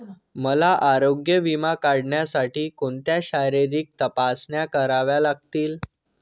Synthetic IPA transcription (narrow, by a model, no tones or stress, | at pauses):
məlaʔaɾoɡjəʋimakaɽɳjasaʈiːkoɳt̪jaɕaɾeɾiːk̚t̪əpasɳjakəɾaʋjalaɡ̚t̪iːl